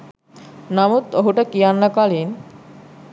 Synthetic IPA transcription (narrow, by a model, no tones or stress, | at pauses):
namut̪oɦuʈəkijanːəkalin